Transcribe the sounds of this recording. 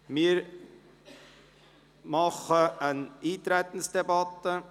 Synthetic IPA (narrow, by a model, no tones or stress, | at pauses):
miːɾ | mɑχəəniːt̪ɾɛt̪n̩sd̥ebɑt̪ə